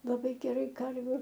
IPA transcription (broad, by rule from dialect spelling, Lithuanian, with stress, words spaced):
lˠɐˈbɐɪ ɡʲɛˈrɐɪ ˈkɐrʲʋʲʊ